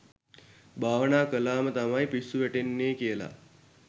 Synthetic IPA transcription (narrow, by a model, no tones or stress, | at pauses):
bʱaːʋənaːkəlaːmət̪amajpisːuʋeʈenːeːkijəla̰